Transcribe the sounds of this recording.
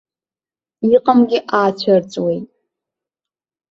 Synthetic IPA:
iqʼamɡʲɪʔaːt͡ɕʷʰart͡sʼwejtʼ

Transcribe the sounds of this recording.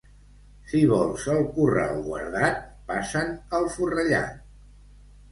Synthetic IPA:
siβɔlˠzəlˠkurə̰əlˠɣwə̰ɾðat̪̚pasənəlˠfurəʎa̰

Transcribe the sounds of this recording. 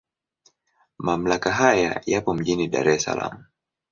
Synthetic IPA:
mam̩lakaɦaja̰japɔm̩ʄiniɗa̰ɾɛsa̰la̰mu

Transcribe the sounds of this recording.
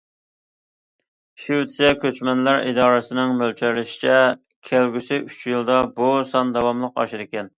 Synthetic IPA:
ʃyt̪sɛkʲʰøt͡ʃmɛnlæɾḭd̪ɑːɾɨsɪnɪŋmølt͡ʃʰøɾlɪʃi̥t͡ʃʰɛ | kʲʰælɡʲysɪyt͡ʃjɪlˠd̪ɑbusɑnd̪ɑwɑmlˠəqɑ̰ʃɪɾɪkʲɛn

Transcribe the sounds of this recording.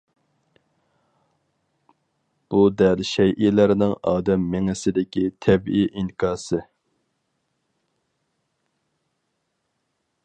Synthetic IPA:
b̥ud̪ɛlʃɛjʔilæɾnɪŋɑːd̪ɛmːɪŋɪsɪd̪ɪkʲit̪ʰɛbijʔiŋkɑːsɨ

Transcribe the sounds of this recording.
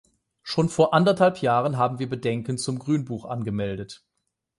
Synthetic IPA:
ʃoːnfoːɐʔandɐthalpjaːʁənɦaːbm̩viːɐbədɛŋkən̩t͡sʊmɡʁyːnbuːχʔa̰nɡəmɛldət

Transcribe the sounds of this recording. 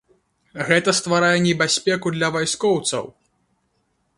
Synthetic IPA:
ɣɛt̪ɐst̪vaɾajɛnʲɛbʲasʲpʲɛkud̪lʲɐvajskɔwt̪sɐ̰w

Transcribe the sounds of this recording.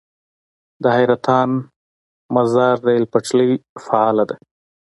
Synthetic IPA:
d̪əhajɾat̪ɑn | mazɑɾd̪əɪlpaʈ͡ʂləjfaɑlad̪e

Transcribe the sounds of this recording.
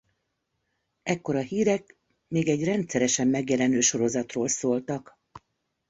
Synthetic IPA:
ɛkːo̞ɾɒhiːɾɛk | meːɡɛɟrɛnt̪sɛɾɛʃɛmːɛɡjɛlɛnøːʃo̞ɾo̞zɒt̪roːlsoːlt̪ɒk

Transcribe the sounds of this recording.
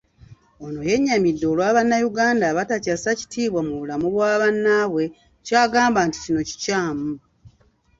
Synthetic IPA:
ono̞je̞ɲːamidːo̞lwaːβanːajuɡaːndaβatacasaci̥tiːβwamuβulamuβwaːβanːaβwe̞ | caːɡaːmbanti̥cino̞ci̥caːmu

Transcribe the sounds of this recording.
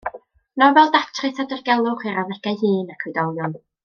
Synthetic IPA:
nɔvɛlˠdatʰrɨθadərɡɛlˠʊχiɾavɛɡ̥ajhɨːnakʰwɨdɔlˠjɔn

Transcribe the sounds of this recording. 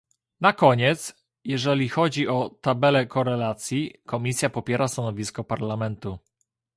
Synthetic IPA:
nakɔɲɛt̪s | jɛʐɛlʲixɔd͡ʑiʔɔt̪abɛlɛkɔɾɛlat̪sʲjikɔmʲisʲjapɔpʲjɛɾast̪anɔvʲiskɔpaɾlamɛnt̪u

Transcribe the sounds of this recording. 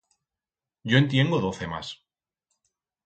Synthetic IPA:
ɟ͡ʝo̞ent̪je̞ŋɡoð̞o̞θe̞ma̰s

